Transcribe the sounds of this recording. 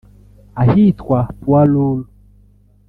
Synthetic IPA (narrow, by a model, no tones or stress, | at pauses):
ahit̪kwapwalulu